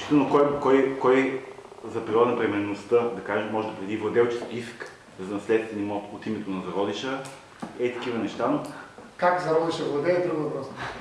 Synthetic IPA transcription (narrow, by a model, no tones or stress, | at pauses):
sʃi̥t̪nokɔjkɔjkɔjzɐpɾiɾɔd̪ɐnɐpɾɛmɛɾnost̪əd̪ɐkaʒemɔʒɛd̪ɐpɾɛd̪ivlˠɐd̪ɛlˠt͡ʃɛ̥skʲiisk | zɐnɐslɛt̪st̪vɛnʲimɔt̪ot̪imɛt̪onɐzɐɾɔd̪iʃə | ɛt̪ɐ̥kivənɛʃt̪ankakzɐɾɔd̪iʃəvlˠɐd̪ɛːt̪ɾəɡvɐpɾɔs